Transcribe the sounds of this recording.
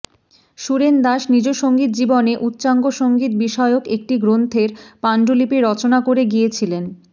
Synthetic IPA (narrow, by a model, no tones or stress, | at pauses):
ʃuɾend̪aʃnid͡ʑoʃoŋɡit̪̚d͡ʑiboneʔut̪ːɕaŋɡoʃoŋɡit̪̚biʃɔeokek̚ʈiɡɾont̪ʰeɾpaɳɖolipeɾɔt͡ɕonakoɾeɡiet͡ɕʰilen